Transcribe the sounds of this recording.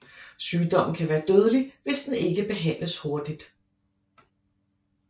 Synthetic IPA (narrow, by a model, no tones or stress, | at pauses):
syːd̥ɒ̽m̰n̩kʰæʋæːɐd̥øːð̞ˠəliʋe̝sd̥ene̝ɡ̥əb̥e̝ɦæn̰ləsho̝ɐd̥id̥